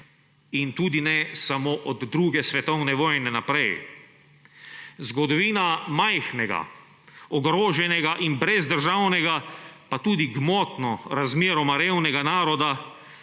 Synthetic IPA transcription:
int̪uːd̪inɛsamoːʔɔd̪ːɾuːɡɛsʋɛt̪ɔwnɛʋɔːjnɛnapɾɛj | zɡɔd̪ɔʋiːnamajxnɛɡa̰ | ɔɡɾoːʒɛnɛɡaʔinbɾɛzd̪əɾʒawnɛɡapat̪uːd̪iɡmɔːt̪nɔɾazmeːɾɔmaɾeːwnɛɡanaːɾɔd̪a

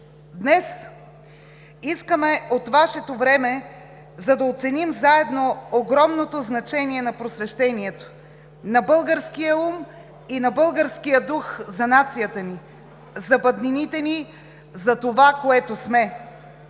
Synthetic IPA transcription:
d̪nɛs | iskəmɛot̪vaʃɛt̪ovɾɛmɛ | zɐd̪ɐot̪sɛnimzaɛd̪nooɡɾɔmnot̪oznɐt͡ʃɛniɛnɐpɾosvɛʃt̪ɛniɛt̪o̥ | nɐbɤlˠɡəɾskijəum | inɐbɤlˠɡəɾskijəd̪uxzɐnat̪sijət̪əni | zɐbɐd̪ninit̪ɛni | zɐt̪ovakoɛt̪osmɛ

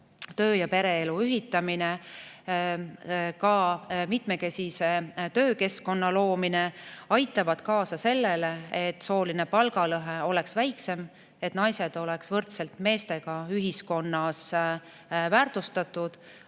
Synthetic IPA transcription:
t̪ø̞ːjɑpe̞ɾe̞eluyɦit̪ːˑɑmine | kɑmit̪me̞ke̞sise̞t̪ø̞ːke̞sko̞nːɑlo̞ːmine̞ɑjt̪ːˑɑvɑd̪̥kɑːsɑse̞lːe̞leet̪ːˑso̞ːline̞pɑlɡ̥ɑlɤɦe̞o̞le̞ksvæjkse̞m | e̞t̪ːnɑjse̞d̪̥o̞le̞ksvɤrt̪se̞lt̪me̞ːst̪e̞ɡ̥ɑyɦisko̞nːɑs | væːrt̪ust̪ɑt̪ːˑud̪̥

